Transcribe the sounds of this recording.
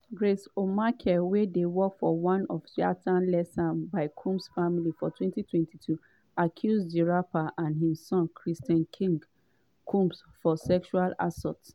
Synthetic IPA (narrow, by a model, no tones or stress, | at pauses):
ɡɹesomakʰɛwedewɔkfɔwãnɔfʃia̰tʰãnlɛsãnbaɪkʰũmsfamilifɔtʰwɛ̃ntitʰwɛ̃ntitʰu | akʰjuzd͡ʒiɹapaʔãnɦĩssɔ̃nkʰɹistãnkʰĩŋɡ | kʰũmpsfɔsɛkʃuala̰sɔ̰ts